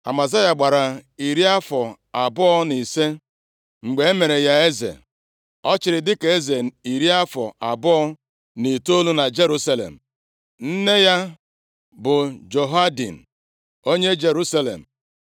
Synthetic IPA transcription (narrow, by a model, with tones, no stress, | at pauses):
a̰˨ma˨za˦ja˨ɡ͡ba˨ɾa˨i˨ɾi˦a˦fɔ˨ | a˨bʊ˦ɔ˦ni˨se˦ | ŋ͡m̩˨ɡ͡be˨˦e˦me˨ɾe˨ja˦e˦zḛ˨ | ɔ˦t͡ʃɪ˨ɾɪ˨dɪ˦ke˨e˦ze˨i˨ɾi˦a˦fɔ˨ʔa˨bʊ˦ɔ˦ | ni˨to˦lu˦na˨d͡ʒe˦ɾu˦sa˦lḛ˨m̩˨ | n̩˦ne˦ja˦ | bʊ˨d͡ʒo˨ɦa˦dḭ˨n̩˨ | o˦ɲe˦d͡ʒe˨ɾu˦sa˦lḛ˨m̩˨